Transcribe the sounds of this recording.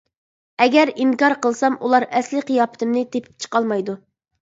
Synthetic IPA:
ɛɡʲɛɾiŋkɑɾqəlˠsɑmʔulˠɑɾɛslɪqʰijɑːpɪ̥t̪ʰɪmnɪt̪ʰepʰɪ̥p̚t͡ʃʰə̥qɑlˠmɑjd̪u

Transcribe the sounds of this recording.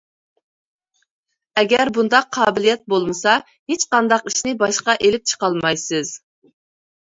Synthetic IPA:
ɛɡʲɛɾbund̪ɑqʰːɑːbɪlijɛt̪̚bolˠmɨsɑ | het͡ʃqɑnd̪ɑqiʃnɪbɑʃqɑʔelɪp̚t͡ʃʰə̥qɑlˠmɑjsɨz̥

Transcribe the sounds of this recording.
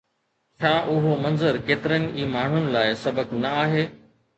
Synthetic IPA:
t͡ɕʰaːʔʊɦomɐ̃nzəɾkeːt̪ɪɾənɪ̆ʔiːmaːɳ̤ʊnɪ̆laːɪsɐbəknɐaːɦeː

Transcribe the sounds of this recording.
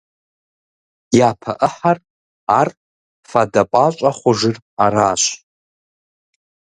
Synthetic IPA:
japʰa̰ʔəħar | artʼ | fadapʷʼat͡ʃʷʼaχʷʊʐɨr | aɾaːʃʷ

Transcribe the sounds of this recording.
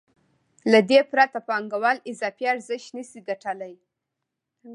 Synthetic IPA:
lad̪epɾat̪apɑŋɡawalɪzɑfiaɾzɪʃt̪nəsid̪aʈalaj

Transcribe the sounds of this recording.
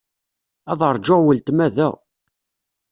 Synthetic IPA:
ɑðˤəɾˤd͡ʒoʁwəlt̪mæðæ̰

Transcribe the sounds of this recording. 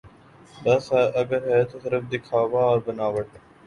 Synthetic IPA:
d̪ɐsɛʔɐɡəɾɦɛːt̪osɪɾəfd̪ɪkʰaːʋaɔːɾbənaːʋəʈ

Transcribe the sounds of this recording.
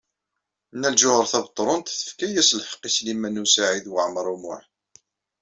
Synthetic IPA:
nːælʒʊhəɾˤθævət̪ˤːɾˤʊnt̪θə̥fkæjæslħə̥qːislimænusaʕiðwəʕəməɾˤumʊ̰ħ

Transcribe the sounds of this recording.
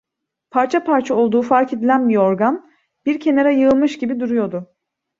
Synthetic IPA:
pʰaɾt͡ʃʰapʰaɾt͡ʃʰao̞lˠd̪uːfaɾcʰe̞d̪ilʲænbiɾo̞ɾɡan | b̥iɾcʰe̞neɾajɯɯlˠmɯʃɟibid̪uɾujo̞d̪ʊ

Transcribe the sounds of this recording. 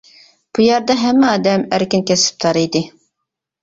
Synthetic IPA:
b̥ujɑɾd̪ɑɦɛmːɪɑːd̪ɛmæɾkʲinkʲɛsɪ̥p̚t̪ʰɑɾijd̪ɪ

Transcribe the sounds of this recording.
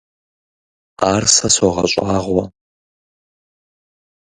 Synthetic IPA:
aːrsɐswɔʁɐ̰ɕʼaːʁwɐ

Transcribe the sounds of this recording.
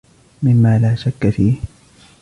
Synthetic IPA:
mɪmːaːlaːʃakːafiːh

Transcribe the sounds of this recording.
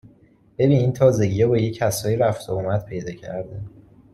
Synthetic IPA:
b̥e̞biːniːnt̪ʰɒːze̞ɟiːjɒbɒːjecʰæsɒːjiɾæft̪ʰoumæt̪̚pʰe̞jd̪ɒːcʰæ̰ɾd̪e

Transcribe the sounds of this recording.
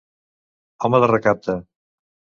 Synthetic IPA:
ɔməðərəkap̚t̪ə

